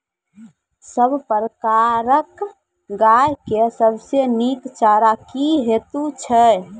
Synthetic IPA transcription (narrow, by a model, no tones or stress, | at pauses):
səbʱpəɾəkaɾək | ɡajkesəbʱsenikt͡ʃaɾakiɦet̪ut͡ʃʰə